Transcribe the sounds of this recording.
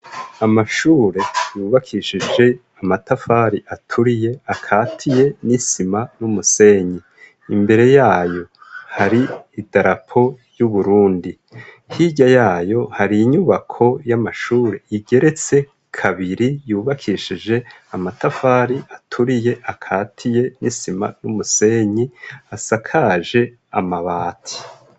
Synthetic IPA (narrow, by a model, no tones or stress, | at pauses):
amaʃuːɾe̞juːβakʰiʃid͡ʒe̞ | amatafaːɾiʔatʰuɾije̞akʰaːtʰije̞nisimanumuse̞ːɲi | imbe̞ɾe̞jaːjo̞haɾiidaɾapʰo̞juβuɾuːndi | hiɟajaːjo̞haɾiɲuβakʰo̞jamaʃuːɾeiɡe̞ɾe̞t͡se̞ | kʰaβiɾijuːβakʰiʃid͡ʒe̞amatafaːɾiʔatʰuɾije̞ʔakʰaːtʰije̞nisima̰numuse̞ːɲiasakʰaʒe̞ | amaβaːtʰi̥